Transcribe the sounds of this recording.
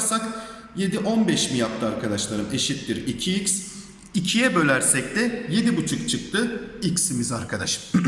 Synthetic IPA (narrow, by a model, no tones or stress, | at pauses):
ɾsak | je̞d̪iʔo̞nbɛʃmijap̚t̪ʰɯaɾkʰad̪aʃlˠaɾɯme̞ʃit̪d̪iɾicʰiics | icʰijɛbø̞lʲæɾsɛc̚t̪ɛje̞d̪ibut͡ʃʰukt͡ʃʰɯk̚t̪ʰɯicsimizaɾkʰad̪aʃɯ̥m